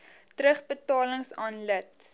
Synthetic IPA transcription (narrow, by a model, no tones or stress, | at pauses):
tɾəχbətɑːləŋsɑːnlət